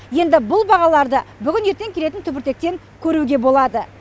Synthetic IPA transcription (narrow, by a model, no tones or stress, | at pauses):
je̞nd̪ɪbʊlˠbɑʁɑlˠɑɾd̪əbʏɡʲɪnje̞ɾt̪e̞ŋkʲʰele̞t̪ɪnt̪ʰʏbɪɾt̪e̞k̚t̪e̞ŋ | kʲʰɵɾuɡʲe̞bo̞lˠɑd̪ə